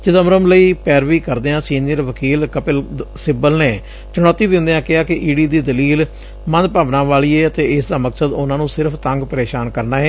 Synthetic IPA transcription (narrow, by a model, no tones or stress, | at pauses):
t͡ʃɪt̪əmɾəmləiːpɛːɾʋiːkəɾd̪eːãːsiːnijəɾʋəkiːlkəpɪlsɪbəlneː | t͡ʃəɽ̃ɔːt̪ːiːd̪ɪ̃nd̪eːãːkɪɦaːkɪʔiːɖiːd̪iːd̪əliːl | mə̃nd̪paːʋnãːʋaːɭiːeːət̪eːɪsd̪aːməksəd̪ʊnãːnũːsɪɾəpʰt̪ə̃ŋɡpəɾeːʃaːnkəɾnaːɦɛː